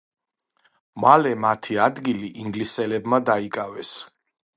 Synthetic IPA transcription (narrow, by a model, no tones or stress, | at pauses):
malɛmat̪ʰiad̪ɡiliʔiŋɡlisɛlɛbmad̪aikʼavɛs